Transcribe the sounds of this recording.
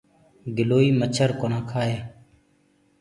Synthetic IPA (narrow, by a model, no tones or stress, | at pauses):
ɡɪloːiːmət͡ʃʰəɾkonãːkʰaːɦeː